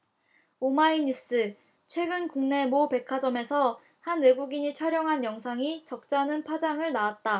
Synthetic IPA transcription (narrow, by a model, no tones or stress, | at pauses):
omaiɲus͈ɯ | t͡ɕʰwe̞ɡɯnkuŋne̞mope̞kʰad͡ʑʌme̞sʰʌ | hanːeɡuɡiɲit͡ɕʰʌɾjʌŋɦanjʌŋsʰaŋit͡ɕʌk̚t͡ɕ͈anɯnpʰad͡ʑaŋɯɭnaat̚t͈a